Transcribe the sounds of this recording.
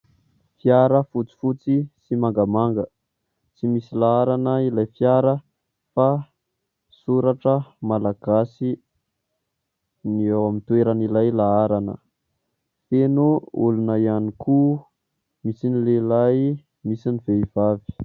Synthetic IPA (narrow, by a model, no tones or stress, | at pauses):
fiaɾəfut͡si̥fut͡sisimaŋɡamaŋɡə | t͡simisilaaɾanəilajfjaɾə | fa | suɾaʈ͡ʂəmalaɡ̥asi | niawamint̪weɾənilajlaaɾanə̰ | fenuulunəianikʰu | misinilelaj | misiniv̥eiv̥avi̥